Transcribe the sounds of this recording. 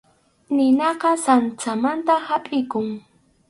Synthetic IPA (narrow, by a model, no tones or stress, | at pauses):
nɪnɑqɑsant͡samant̪ahapʼɪkʊŋ